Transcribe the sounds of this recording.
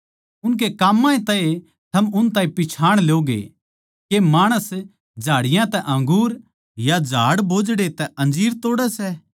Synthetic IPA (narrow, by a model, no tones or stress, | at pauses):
ʊnk̬ekaːmːãẽt̪ãːẽ | t̪ʰɐmʊnt̪ãːĩpɪt͡ʃʰaːɽ̃ljoːɡḛ | kemaːɽ̃əs | d͡ʒʱaːɽɪjãt̪ɛʔɐ̃ŋɡuːɾ | jad͡ʒʱaːɽboːd͡ʒɽet̪ɛɐ̃nd͡ʒiːɾt̪oːɽɛsɛː